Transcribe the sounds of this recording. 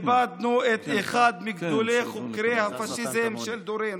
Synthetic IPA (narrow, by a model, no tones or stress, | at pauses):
bad̪̚nuet̪eχad̪miɡd̪oleχukɾehafaʃizemʃeld̪oɾen